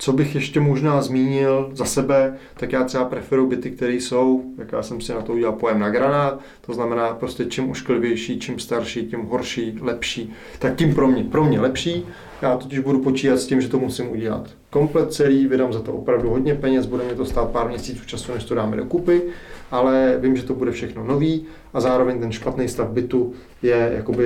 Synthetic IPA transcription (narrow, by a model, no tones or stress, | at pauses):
t͡so̞bɪxjɛʃcɛmo̞ʒnaːzmiːɲɪlzasɛbɛt̪akjaːt̪sɛapɾɛfɛɾuwbɪt̪ɪk̚t̪ɛɾiːso̞wj̪akja̰ːsɛmsɪnat̪ouɟɛlalpo̞jɛmnaɡɾanaːt̪ | t̪o̞znamɛnaːpɾoscɛt͡ʃimʔuʃklɪvjɛjʃiːt͡ʃimst̪aɾʃiːcɪmɦoɾʃiːlɛpʃiː | t̪ak̚cɪmpɾo̞mɲɛpɾo̞mɲɛlɛpʃiː | jaːt̪o̞cɪʒbudupo̞t͡ʃiːɦat̪scɪmʒɛt̪o̞musɪmʔuɟɛla̰t̪ | ko̞mplɛt̪̚t͡sɛliːvɪdaːmzat̪oʔo̞pɾavduɦo̞dɲɛpɛɲɛsbudɛmɲɛt̪ost̪aːt̪̚paːɾmɲɛsiːt͡suːft͡ʃasunɛʃt̪odaːmɛ̰do̞kupɪʔalɛvɪmʒɛt̪o̞budɛfʃɛxno̞no̞viː | azaːɾo̞vɛɲt̪ɛnʃpat̪nɛjst̪avbɪt̪u | jɛja̰ko̞bɪ